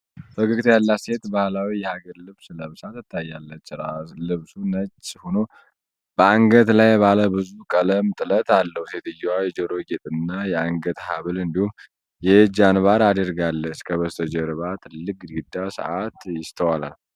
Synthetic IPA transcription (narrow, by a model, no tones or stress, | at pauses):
fəɡɨɡt̪ʰjalːase̞t̪bahlawijɛhaɡəɾlɨβsləmɨsat̪ɨt̪ʰːajːalːət͡ʃːɾalɨβsunət͡ʃʼːhono̞ | b̥əaŋɡət̪lajbaləbɨzukʼələmt̪ʼɨlət̪alːəhuset̪ɨjːwawjɛd͡ʒəɾo̞jɛt̪ʼɨnːajɛaŋɡət̪haβɨlɨnd̪ihum | jɛd͡ʒanβaɾad̪əɾɡalːət͡ʃkʰəβəst̪ʰəd͡ʒəɾβat̪lɨkʼːɡɨd̪ːasə̰ʔat̪jɪst̪ʰəwala̰l